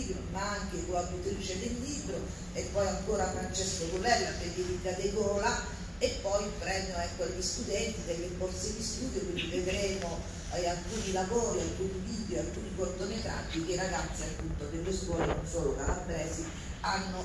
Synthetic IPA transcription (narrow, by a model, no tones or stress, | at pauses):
ibɾomaaŋk̟ekoad̪ut̪ɾiːt͡ʃed̪elːiːbɾo | epːɔjaŋkoːɾafɾant͡ʃɛskoɡovɛlːaped̪ivid̪ad̪eɡɔːla | epːɔjpɾɛnoɛkːoʎist̪ud̪ɛnt̪id̪elːekɔrt̪sed̪ist̪uːd̪jokwind̪ived̪ɾeːmo | alkuːnilavoːɾialkuːniviːd̪joalkuːnikort̪onet̪a̰ːd̪ːik̟eɾaɡat̪sːialpːunt̪od̪elːeskwɔːlenonsoːlokalamd̪ɾɛːzi | anːo